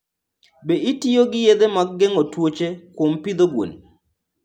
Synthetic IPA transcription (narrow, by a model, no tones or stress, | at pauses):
beitioɡɪjed̪emaɡɡeŋotwot͡ʃekwompid̪oɡwo̰ni